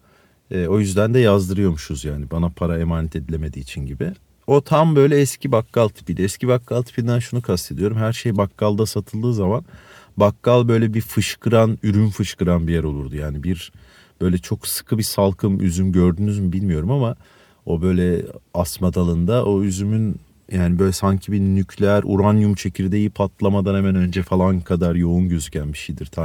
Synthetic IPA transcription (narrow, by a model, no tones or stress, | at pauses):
ɛːo̞jyzd̪ænd̪ɛjazd̪ɯɾɯjo̞ɾmuʃuzjaːnibanapʰaɾaemaːnɛt̪ʰe̞d̪ilʲeme̞d̪iːt͡ʃʰinɟibi | o̞t̪ʰambø̞jlʲɛɛscʰibakːalˠt̪ʰi̥pid̪ɛɛscʰibakːalˠt̪ʰi̥pʰind̪ænʃunukʰast̪ʰe̞d̪ijo̞ɾumɦæɾʃejbakːalˠd̪asat̪ʰɯlˠd̪ɯːzaman | bakːalˠbø̞jlʲɛbifɯʃkʰɯɾanyɾynfɯʃkɯɾanbijɛɾo̞lˠuɾd̪ujaːnibiɾ | b̥ø̞jlʲɛt͡ʃʰo̞ksɯ̥kʰɯbisalˠkʰɯmyzymɟø̞ɾd̪ynyzmibilʲmijo̞ɾumama | o̞bø̞jlʲɛasmad̪alˠɯnd̪aʔo̞yzymyn | jʔaːnibø̞jlʲɛsaɲcʰibinycʰlʲɛæɾʔuɾanjumt͡ʃʰe̞cʰiɾd̪ejipʰat̪ʰlˠamad̪anhemɛnø̞nd͡ʒɛfalˠankʰad̪aɾjo̞unɟø̞zycʰænbiʃejd̪iɾt̪ʰa